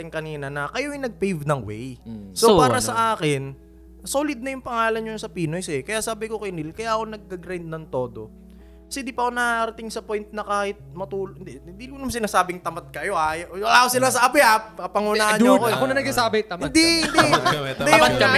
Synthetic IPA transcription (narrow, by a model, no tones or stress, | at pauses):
t̪ɪŋkɐniːnɐnɐkɐjoɐjnɐɡ̚pejvnɐŋwɛ̰jsopaːɾɐsɐʔaːkɪn | solɪd̪̚nɐjʊŋpɐŋaːlɐnjosɐpiːnojsɛkɐjaʔsaːbɪko̞kɐjnɪlkɐjaːʔɐko̞nɐɡ̚ːɐɡɾajnd̪̚nɐŋt̪o̞ːd̪o̞ | kɐsɛd̪ipɐkonaɾɐt̪ɪŋsɐpojnt̪̚nɐkaːhɪt̪̚mɐt̪uːlhɪnd̪ɛɪnd̪iʊnʊŋsɪnaːsaːbɪŋt̪ɐmat̪̚kɐjo̞ʔajlaːkosɪlasaabɪʔap̚kɐpɐŋʊnaːhɐnɲɲoɐkoɐkonɐnɐɡsasaːbɪt̪ɐmhɪɐnd̪iɪnd̪d̪jakɐ